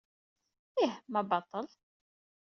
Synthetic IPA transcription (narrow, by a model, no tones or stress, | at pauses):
ihmæbɑt̪ˤːəl